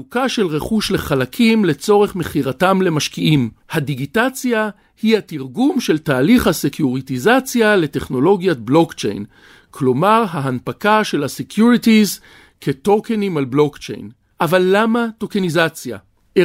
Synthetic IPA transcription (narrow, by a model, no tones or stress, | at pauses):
ukaʃe̞lʁe̞χuʃle̞χalakʰimle̞t͡so̞ʁe̞χme̞χiʁatamle̞maʃkiʔimhadiɡitat͡sja | hihatiʁɡumʃe̞ltaːliχhasekʰjuʁitizat͡sjale̞teχno̞lo̞ɡjatblo̞kt͡ʃe̞̰jn | kʰlo̞maʁɦaɦanpakaʃe̞lhasekʰjuʁitiz | kʰeto̞kenimalblo̞kt͡ʃḛjn | ʔavalːamatokenizat͡sja̰ | ʔe